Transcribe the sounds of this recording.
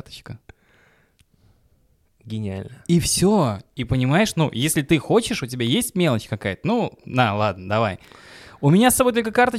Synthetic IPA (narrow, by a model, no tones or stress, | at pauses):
t̪ə̥t͡ɕkə | ɡʲɪnʲɪa̰lʲnəifsʲoipənʲɪmajɪʂnujesʲlʲɪt̪ɨxo̞t͡ɕɪʂʊtʲɪbʲajesʲtʲmʲelˠət͡ɕkɐkajət̪ənud̪alˠad̪̚nəd̪ɐvajʊmʲɪnʲasɐbo̞jt̪olʲkəkart̪ə